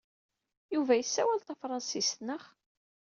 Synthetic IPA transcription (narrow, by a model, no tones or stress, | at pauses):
juvæjəsːæwælt̪æfɾˤɑnsist̪nəχ